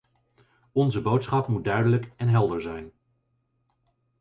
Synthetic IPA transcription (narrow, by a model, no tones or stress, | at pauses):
ɔnzəbowtsχɑpmud̚dœɥdələkɛnɦɛlˠdəɹzɛjn